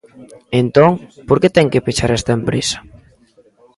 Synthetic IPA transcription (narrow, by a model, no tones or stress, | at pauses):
ent̪oŋpoɾket̪ɛŋkepet͡ʃaɾɛst̪aempɾesḁ